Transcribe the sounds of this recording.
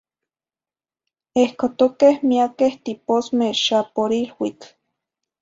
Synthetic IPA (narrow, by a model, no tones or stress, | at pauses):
ehkot̪okehmiakeht̪iposmeʃapoɾilwit͡ɬ